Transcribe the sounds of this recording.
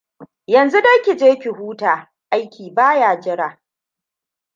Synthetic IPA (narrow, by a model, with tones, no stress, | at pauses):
jɐ˨nzu˦dɐ˦kʲi˨d͡ʒeː˦kʲɪ˨huː˦taː˨ | ʔa˦jkʲʰiː˨baː˦jaː˨d͡ʒɪ˦ɽaː˨